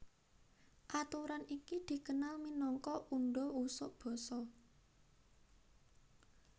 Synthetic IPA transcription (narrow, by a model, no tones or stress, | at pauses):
ʔat̪uɾanikid̪̥i̤kənalminɔŋkɔʔuɳɖɔusʊʔb̥ɔ̤sɔ